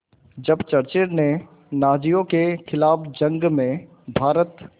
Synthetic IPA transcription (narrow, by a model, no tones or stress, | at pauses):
d͡ʒɐbt͡ʃɐɾt͡ʃeɾne | naːd͡ʒijõkekʰɪlaːfd͡ʒɐ̃ŋɡmẽ | bʱaːɾət̪